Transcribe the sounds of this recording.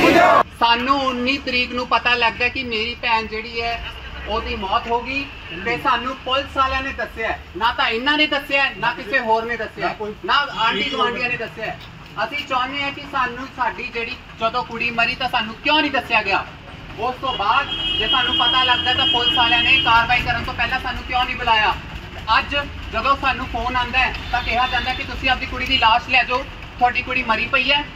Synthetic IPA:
saːnũːʊnːiːt̪əɾiːknũːpət̪aːləɡ̚d̪aːkɪmeːɾiːpɛːnd͡ʒeːɽiːɛː | oːd̪iːmɔːt̪ɦoːɡiː | t̪eːsaːnũːpʊlsaːljãːnẽːd̪əsjaː | naːt̪ãːɪnːãːnẽːd̪əsɪjaːnãːk̪ɪseːɦoːɾnẽːd̪əsjaːnãːaːɖiːzəãːɖɪjãːnẽːd̪əsjaː | əsĩːt͡ʃãːnd̪eːɛ̃ːkɪsaːnũːsaːɖiːd͡ʒeːɽiː | d͡ʒəd̪õːkʊɽiːməɾiːt̪ãːsaːnũːkjõːnĩːd̪əsɪjaːɡɪjaː | ʊst̪õːbaːd̪d͡ʒeːsaːnũːpət̪aːləɡd̪aːɛːt̪ãːpʊlsʰaːlãːneːkaːɾʋaːiːkəɾənt̪õːpɛːlãːsaːnːũːkjõːnĩːbəlaːjaː | əd͡ʒ | d͡ʒəd̪õːsaːnũːpʰoːnãːnd̪aːɛːt̪ãːkɛɦaːd͡ʒãːnd̪aːkɪt̪ʊsĩːəp̚d̪iːkʊɽiːd̪iːlaːʃlɛːd͡ʒoː | t̪ʰʊaːɖiːkʊɽiːməɾiːpəiːɛː

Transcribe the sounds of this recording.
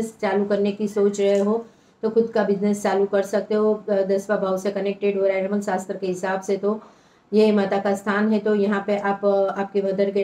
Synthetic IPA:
st͡ʃaːlukɐɾnekisoːt͡ʃɾɐɦeɦoː | t̪oxʊd̪kabɪznest͡ʃaːlukɐɾsɐk̚t̪eɦod̪ɐsʋabʱaːʊsekɐneːk̚ʈeɖɦoɾaɾməlsaːst̪ɾkeɦɪsaːbset̪o | jemaːt̪akast̪ʰaːnɦɛt̪ojɐɦãpeʔaːpaːp̚keʋɐd̪əɾke

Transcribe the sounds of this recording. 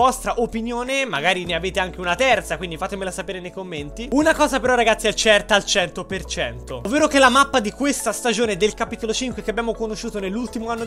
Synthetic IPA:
ɔst̪ɾaʔopinjoːnemaɡaːɾineaveːt̪eaŋk̟eunat̪ɛrt̪sakwind̪ifat̪ːemelasapeːɾenejkomːent̪iunakɔːzapeɾɔrːaɡat̪sːiɛt͡ʃɛrt̪aːlt͡ʃɛnt̪opert͡ʃɛnt̪oovːeːɾokelamapːad̪ikwest̪ast̪ad͡ʒoːned̪elkapiːt̪olot͡ʃiŋkwekeabːjaːmokonoʃːuːt̪onelːult̪imoanːo

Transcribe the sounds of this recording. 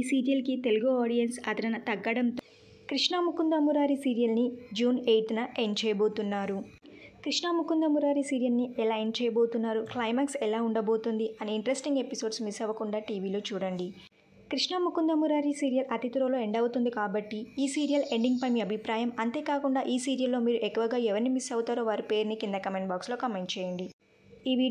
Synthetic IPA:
isiːɾijɐlkit̪e̞luɡuaːɽijɐnsɐt̪ɐɾɐnɐt̪ɐɡːɐɽɐmt̪ | kɾiʂɳamukʰːund̪ɐmuɾaːɾisiːɾijɐlnid͡ʒuːneːjʈ̪ɐnɐʔe̞ɳt͡ʃɛːjɐbo̞ːt̪unːaːɾu | kɾiʂamukund̪ɐmuɾaːɾisiːɾijɐlniɛlaːeːɳt͡ʃɛːjɐbo̞ːt̪unːaːɾuklɐjmaːksɛlaːuɳɖɐbo̞ːt̪und̪iɐniiɳʈɾesʈiŋɡe̞piso̞ːɖsmisɛʋɐkuɳɖaːʈiːʋiːlo̞ːt͡ʃuːɽɐɳɖi | kɾiʂɳamukund̪ɐmuɾaːɾisiːɾijɐlʔɐt̪it̪uɾɐlo̞ːeɳɖɐwt̪und̪ikaːbɐʈːiiːsiːɾijɐle̞ɳɖiŋɡ̚pɐjmiːɐbʱipɾaːjɐmɐnt̪e̞ːkaːkuɳɖaːʔiːsiːɾijɐlːo̞ːmiːɾuʔekːuʋɐɡaːɛʋɐɾnimisɐwt̪aːɾoːʋaːɾipe̞ːɾnikind̪ɐkɐmeɳʈbaːkslo̞ːkɐmeɳʈ̚t͡ʃɛːjɐɳɖi | iːʋi

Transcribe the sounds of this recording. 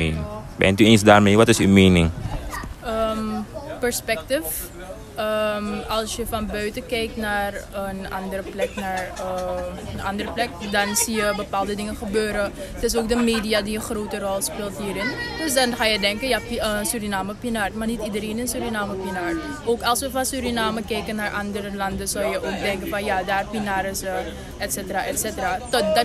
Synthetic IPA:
enbɛ̰ntyensdaːrmeːʋɐtɪsy̰meːnɪ̰ŋ | əmpərspɛk̚təf | əmɐlˠsjəfɐnbœɥtəkɛjknaːrənɐ̰ndəɾəplɛknaːrəənʔɐ̰ndərəplɛk̚dɐnsijəbəpaːlˠdədɪŋəχəbøːɾə | tɪs̬oːk̚dəmeːdiadiəχroːtərɔlˠspeːlˠtɦiːɾɪndɵsdɑnχaːjədɛŋkəjaənsyɾinaːməpinaːrmarnitidəɾeːnənsyɾinaːməpinaːr | ʔoːkɑlˠsʋəfɑnsyɾinaːməkɛjkənːaːrʔɑndəɾəlɑndəsɔwjəʔoːk̚dɛŋkənfɑnjadaːrpinaːɾəsə | ʔɛtsɛtəraʔɛtsɛtəraːtɔt̚d

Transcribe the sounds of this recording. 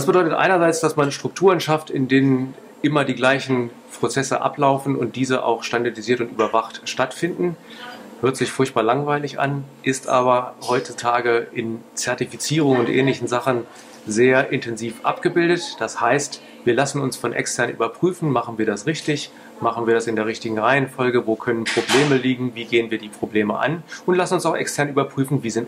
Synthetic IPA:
d̥as̬b̥ədɔʏtətʔa̰ɪnɐzaɪt͡sd̥asmanʃtʁ̥ʊk̚tʰuːʁ̞ənʃaftɪndeːnən | ʔɪmɐdiːɡlaɪçn̩ | pʁ̥ot͡sɛsə̰ʔa̰plaʊfn̩ʊ̰nt̚d̥iːzəʔa̰ʊxʃtandaɐtiziːɐtʊntyːbɐvaχtʃtatfɪndn̩høːɐtz̥ɪçfʊɐçt̚b̥aːɐlaŋvaɪlɪçʔa̰nʔɪstʔa̰ːβɐhɔʏt͡sutʰaːɡəʔɪnt͡sɛɐtifit͡siːʁ̞ʊŋʊntʔɛ̰ːnlɪçn̩zaχn̩ | zeːɐʔɪntʰɛnziːfʔa̰pɡ̥əbɪldətd̥ashaɪst | viːɐlasn̩ʊnsfɔnʔɛ̰kstʰɛɐnʔy̰ːbɐpʁ̥yːfn̩maχn̩viːɐɾasʁɪçtɪç | maχn̩viːɐɾasɪndeːɐʁ̞ɪçtɪɡŋ̩ʁaɪənfɔlɡəvoːkʰœnənpʁ̥obleːməliːɡŋ̩viːɡeːənviːɐdiːpʁ̥obleːməʔa̰nʔʊntlasn̩ʊnsaʊxʔɛ̰kstʰɛɐnyːbɐpʁ̥yːfn̩viːzɪnt

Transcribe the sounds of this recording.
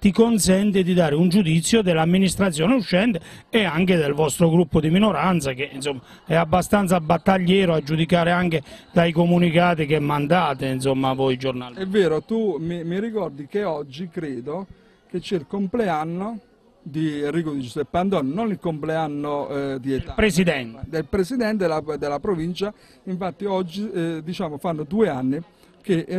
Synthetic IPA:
t̪ikonsɛnt̪ed̪id̪aːɾeund͡ʒud̪it̪sːjod̪elamːinist̪ɾat̪sːjɔːneuʃːɛnt̪eɛaŋked̪elvɔst̪ɾoɡɾupːod̪iminoɾant̪sakeinsomːa | ɛabːast̪ant̪sabat̪ːaʎːɛːɾoad͡ʒːud̪ikaːɾeaŋked̪̥aikomunikaːt̪ikɛmːand̪aːt̪einsomːavojd͡ʒornalɛvːeːɾot̪umimirikɔrd̪ikeɔd͡ʒːikɾeːd̪o | k̟et͡ʃːɛilkompleanːo | d̪iriːkod̪id͡ʒusɛpːand̪ɔnːnonilkompleanːod̪iet̪apɾesid̪ɛnt̪d̪elpɾesid̪ɛnt̪̬elad̪elapɾovint͡ʃa | iɱfat̪ːiɔd͡ʒːid̪it͡ʃaːmofanːod̪ueanːi | ke

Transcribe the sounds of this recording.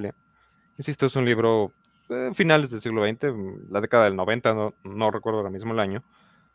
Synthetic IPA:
lja | insist̪oesunliβɾo̞ | efinale̞zðelsiɣloejnt̪e̞laðe̞kaðaðe̞lno̞βe̞nt̪anonore̞kweɾðoaɾamizmoelaɲo̞

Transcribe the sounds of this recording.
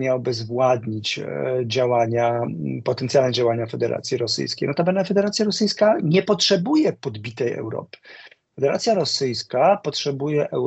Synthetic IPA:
mʲjawbɘzvwad̪ɲit͡ɕd͡ʑawaɲapɔt̪ɛnt̪sʲjalnɛd͡ʑawaɲafɛd̪ɛɾʔa̰t̪sʲjiɾɔsɘ̰jskʲḛjnɔt̪apɛnnafɛd̪ɛɾat̪sʲjaɾɔsɘjskaɲɛpɔtʂɛbujɛpɔd̪bʲit̪ɛjɛ̰wɾɔ̰pɘ̥ | fɛd̪ɛɾat̪sʲjaɾɔsɘjskapɔtʂɛbujɛʔɛ

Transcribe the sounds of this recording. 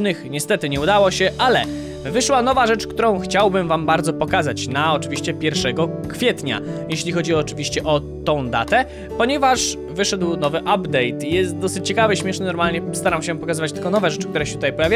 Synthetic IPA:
nɘxɲɛst̪ɛt̪ɘɲɛud̪awɔɕɛʔalɛ | vɘʂwanɔvaʐɛt͡ʂkt̪uɾɔ̃w̃xt͡ɕawbɘmvambaɾd̪zɔpɔkazat͡ɕnaɔt͡ʂɘvʲiɕt͡ɕɛpʲjɛɾfʂɛɡɔkfʲjɛt̪ɲa̰jɛɕlʲixɔd͡ʑiɔːt͡ʂɘvʲiɕt͡ɕɛʔɔ | t̪ɔ̃w̃d̪a̰t̪ɛ | pɔɲɛvaʂ | vɘʂɛd̪wnɔvɘʔabd̪ɛjt̪jɛst̪̚d̪ɔsɘt͡ɕt͡ɕːɛkavɘɕmʲjɛʂnɘnɔɾmalɲɛst̪aɾamɕɛpɔkazɘvat͡ɕt̪ɘlkɔnɔvɛʐɛt͡ʂɘ̥k̚t̪uɾɛɕɛt̪ut̪ajpɔjavʲja

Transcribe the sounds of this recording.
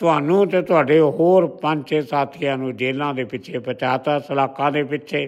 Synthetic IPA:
t̪ʊɦaːnũːt̪eːt̪ʊaːɖeːɦoːɾpəɲt͡ʃeːsaːt̪ʰɪjãːnũːd͡ʒeːlãːd̪eːpɪt͡ʃʰeːpət͡ʃaːt̪aːsəlaːkãːd̪eːpɪʃʰeː

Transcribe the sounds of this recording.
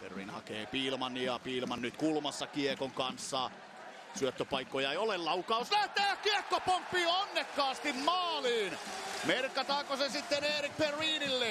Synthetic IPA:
fḛrʋḭːnhɑ̰keːpiːlmɑniɑpiːlmɑnnyt̪kulmɑsːɑkiekoŋkɑnsːɑː | syøt̪ːøpɑikːojɑeiolellɑukɑuslæht̪eːkiekːopompːiːonːekːɑːst̪immɑːliːnmerkːɑt̪ɑːkosesit̪ːeneːrikperʋiːnilːe

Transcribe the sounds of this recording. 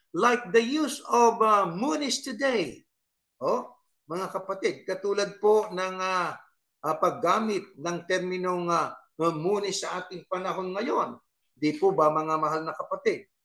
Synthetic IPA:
lajk̚d̪ɐjusovɐmunɪst̪ʊd̪ej | ʔo | mɐŋakɐpɐt̪ɪd̪̚kɐt̪uːlɐd̪̚ponɐŋa | ʔapɐɡaːmɪt̪̚nɐŋt̪ɛɾmɪno̞ŋa | muːnɪsːɐʔaːt̪ɪŋpɐnɐɦo̞nŋɐjo̞n | d̪ɪpubɐmɐŋamɐɦalnɐkɐpɐt̪id̪̚

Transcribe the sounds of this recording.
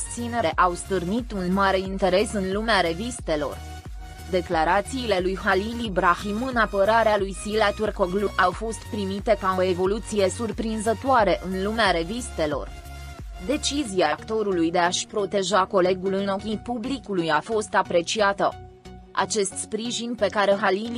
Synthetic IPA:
st̪sine̞ɾe̞ʔawst̪ɨrnit̪unmaɾe̞int̪e̞ɾe̞sɨnlumeaɾe̞vist̪e̞lo̞̰r | d̪e̞klaɾat̪siːle̞lujhalilibɾaximɨnapəɾaɾealujsilat̪urkoɡluʔawfo̞st̪pɾimit̪e̞kao̞e̞vo̞lut̪sije̞surpɾinzət̪oaɾe̞ʔɨnlumeaɾe̞vist̪e̞lo̞̰r | d̪e̞t͡ʃiziakt̪o̞ɾulujd̪e̞aʃpɾo̞t̪e̞ʒako̞le̞ɡulɨno̞kʲipublikulujafo̞st̪apɾe̞t͡ʃiat̪ə̰ | a̰t͡ʃe̞st̪spɾiʒinʲpe̞kaɾe̞ɦalil

